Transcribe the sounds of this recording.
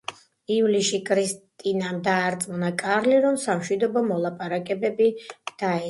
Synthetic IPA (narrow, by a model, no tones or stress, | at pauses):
ivliʃikʼʰɾistt̪ʼinamd̪aːɾt̪sʼmɔnakʼaɾliɾɔmsamʃwid̪ɔbɔmɔlˠapʼaɾakʼɛbɛbid̪̥aɛ